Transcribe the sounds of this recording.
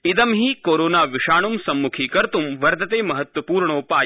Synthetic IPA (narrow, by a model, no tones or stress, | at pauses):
ɪd̪ɐmɦiːkoːɾoːnaːʋɪʂaːɳ̃umsɐmːukʰiːkɐɾt̪umʋɐɾd̪ɐt̪eːmɐɦɐt̪ʋɐpuːɾɳoːpaː